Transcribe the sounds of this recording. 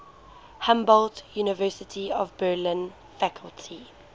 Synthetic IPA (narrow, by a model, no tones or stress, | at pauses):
hãmbɔldjuːnɪvɜːˑsɪtʰiɔvbɜːlɪ̃n | fakʰəlˠtʰi